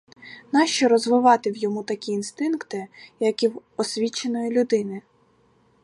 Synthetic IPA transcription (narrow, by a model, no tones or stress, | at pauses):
nɑʃt͡ʃɔɾɔzʋɪʋɑt̪ɪwjɔmut̪ɐkʲiːnst̪ɪnkt̪ɪjɐkiw | ɔsʲʋʲit͡ʃːenɔjilʲʊd̪ɪnɪ